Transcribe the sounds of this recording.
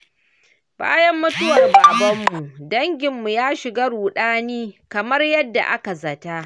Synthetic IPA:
b̥a̰ː˦jɐ˦mːʊ˦tʊ˦wɐ˨rbaː˨bɐ˦mːu˨dɐ˦ŋɡʲɪ˨mːu˨jaː˦ʃɪ˨ɡa˦ɽuː˨ɗaː˦niː˦kɐ˨mɐ˦rjɐ˦dːa̰˨ʔa̰˦ka˨zɐ˨ta˦ʔ

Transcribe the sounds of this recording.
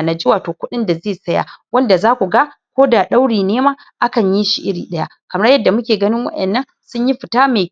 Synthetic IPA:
na˨d͡ʒʊ˦waː˨toː˨kʷʊ˦ɗɪ˦nda˨zeː˦˨sɐ˦ja̰ː˨wɐ˦nda˨zaː˦kʷu˨ɡa˦kʷoː˦da˨ɗa˦wɽiː˨neː˦maː˦ | ʔa˦kɐ˨ɲji˦ʃi˨ʔɪ˦ɽḭː˨ɗɐ˦ja˦ | kɐ˨mɐ˦rjɐ˦dːa˨mʊ˦kʲeː˨ɡɐ˦nɪ˦ŋwɐ̰˦ɗɐ˨nːɐ˦n | sʊ˦ɲji˦ɸɪ˨taː˦meː˨

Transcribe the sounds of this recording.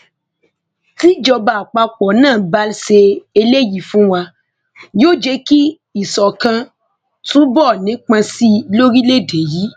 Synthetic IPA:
ti˦d͡ʒɔ˧ba˨k͡pa˧k͡pɔ˨nãː˦˨ba˦lse˧e˧le˦˨ji˨fũ˨˦wa˧ | jo˦˨d͡ʒe˧˦ki˦ | i˨sɔ˨kã˧ | tũ˦bɔ˦˨nĩ˨˦k͡pã˧si˦˧lo˦ɾi˦le˦˨de˨ji˨˦

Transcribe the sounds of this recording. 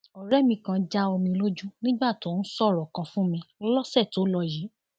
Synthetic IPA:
ɔ˨ɾɛ˦mĩ˧kã˧d͡ʒa˦o˧mĩ˧lo˦d͡ʒu˦nĩ˦ɡ͡ba˦˨to˨˦n̩˦sɔ˦˨ɾɔ˨kã˧fũ˦mĩ˧˦lɔ˦sɛ˦˨to˨˦lɔ˧ji˨˦

